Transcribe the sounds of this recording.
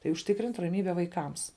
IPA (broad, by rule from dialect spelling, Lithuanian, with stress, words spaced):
tɐɪ ʊʃʲˈtʲɪkrʲɪnʲtʲ rɐˈmʲiːbʲɛ ʋɐɪˈkɐms